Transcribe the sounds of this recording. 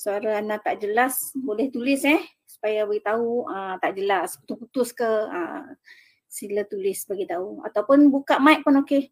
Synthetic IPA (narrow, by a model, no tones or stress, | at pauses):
səaɾaanat̪aʔd͡ʒəlasbolɛht̪ulɪsɛh | su̥pajabaɡit̪auət̪aʔd͡ʒəlasput̪uput̪ʊskəə̰ | silat̪ulɪsbaɡit̪aua̰t̪awpʊnbukaʔmaiʔpʊnoke